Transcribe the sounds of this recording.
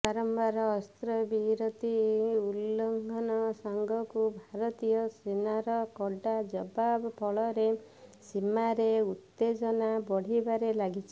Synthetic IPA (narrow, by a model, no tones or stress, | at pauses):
paɾɔmbaɾɔːst̪ɾɔbiɾɔt̪iulːɔŋɡʱɔnɔsɔŋɡʱɔkubʱaɾɔt̪ijɔsenaɾɔkɔɖad͡ʒɔbabɔpʰɔɭɔɾe | simaɾeut̪ːed͡ʒɔnabɔɽ̤ibaɾelaɡit͡ʃʰi̥